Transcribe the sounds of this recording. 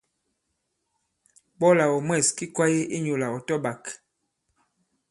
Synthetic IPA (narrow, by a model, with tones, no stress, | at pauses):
bɔ˦la˨wɔ˨mwɛ˦˨ski˦kwa˦je˦ʔe˦ɲo˨la˨ɔ˨tɔ˦ba˨k